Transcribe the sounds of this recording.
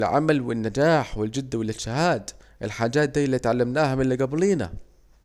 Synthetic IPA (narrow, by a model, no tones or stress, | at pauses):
lʕa̰malwɪnːad͡ʒaːħwɪld͡ʒɪd̪ːwɪlːɪʃɪhaːd̪ʔɪlħaːd͡ʒaːt̪̚d̪iːliːt̪ʕalːamnaːhamɪnlːɪɡabliːna̰